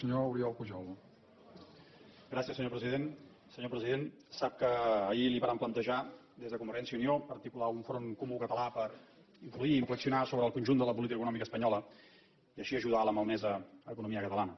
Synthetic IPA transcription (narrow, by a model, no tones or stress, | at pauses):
səɲouɾiɔlˠkuʒɔl | ɡɾasiəsːəɲopɾəziðen | səɲopɾəziðen | sap̚kəːiliβaɾamplənt̪əʒa | d̪ezðəkumbəɾʒɛnsiəuniopəɾt̪ikulauɱfɾoŋkumukət̪əlapəɾ | iɱfluiːɱfləksiunasoβɾəlˠkunʲʒund̪ələp̬ulit̪ikəkunɔmikəspəɲɔlə | iəʃiəʒuðaləməlnɛzəəkunumiəkət̪əlanə